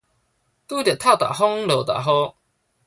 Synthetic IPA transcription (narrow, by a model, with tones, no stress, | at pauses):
t̪u˦t̪ja˨t̪ʰa˥˨t̪a̰˨˩ɦo˦ŋlo˨t̪a̰˨˩ɦo˦